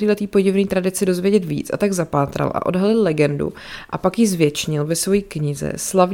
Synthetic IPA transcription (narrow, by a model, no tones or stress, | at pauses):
ɾiːlɛt̪iːpo̞ɟɪvniːt̪ɾadɪt͡sɪdo̞zvjɛɟɛt̪vḭːt͡sʔa̰t̪aɡzapaːt̪ɾa̰lʔa̰ʔo̞̰dɦalɪllɛɡɛndṵ | ʔa̰pakjɪzvjɛt͡ʃɲɪlvɛsvo̞jiːkɲɪzɛ̰slav